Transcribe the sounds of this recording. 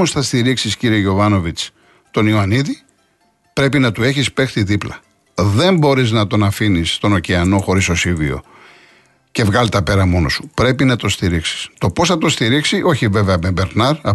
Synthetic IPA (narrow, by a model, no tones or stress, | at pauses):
usθɐst̪iɾiksisciɾieʝo̞vɐno̞vit͡s | t̪o̞nioɐniði | pɾe̞pinɐt̪ue̞çispe̞xt̪iðiplɐ | ðe̞mbo̞ɾiznɐt̪o̞nɐfinist̪o̞no̞ceɐno̞xo̞ɾist̪o̞sivio̞̰ | ce̞vɣɐlt̪ɐpe̞ɾɐmo̞no̞̰su̥pɾe̞pinɐt̪o̞st̪iɾiksi̥st̪o̞po̞sθɐt̪o̞st̪iɾiksiʔo̞çive̞veɐbembeɾnɐɾɐ